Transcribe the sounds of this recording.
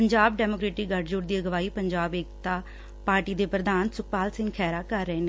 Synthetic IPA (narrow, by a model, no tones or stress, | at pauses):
pəɲd͡ʒaːbɖɛːmoːkɾeːʈɪɡəʈd͡ʒʊːʈd̪iːəɡʋaːiːpəɲd͡ʒaːbeːkt̪aː | paːɾʈiːd̪eːpɾəd̪aːnsʊk̚paːlsɪ̃ŋɡkʰɛːɾaːkəɾːəeːneː